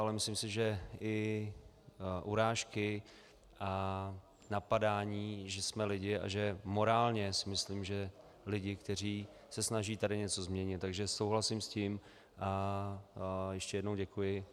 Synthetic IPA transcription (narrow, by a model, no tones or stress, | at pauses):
ʔalɛmɪslimsɪʒɛʔɪ | ʔuɾaːʃkɪ | ʔa | napadaːɲiːʒɛsmɛlɪɟɪʔa̰ʒɛmo̞ɾaːlɲɛsɪmɪslimʒɛ | lɪɟɪkt̪ɛriː | sɛsnaʒiːt̪adɪɲɛt͡so̞zmɲɛɲɪt̪t̪ːaɡʒɛso̞wɦlasɪmsciːm | ʔa | jɛʃcɛjɛdno̞wɟɛkujɪ